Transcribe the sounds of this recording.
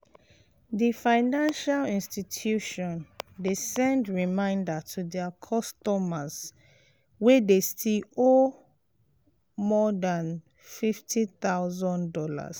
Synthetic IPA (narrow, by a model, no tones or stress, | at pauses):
difaɪnãnʃalĩnstitʰjuʃɔ̃ndesɛ̃ndɹimãɪ̃ndatʰudɛakʰɔstɔmaz | wedestʰiɔ | mɔdãn | fiftʰiθaʊzɔ̃ndɔla̰s